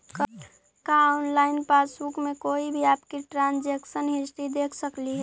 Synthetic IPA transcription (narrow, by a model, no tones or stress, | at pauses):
k | kaʊnlaːɪnpaːsbukmẽkoːibʱiaːpkiʈɾãːnd͡ʒeːksənɦɪsʈ̪id̪eːkʰsəkliɦɛː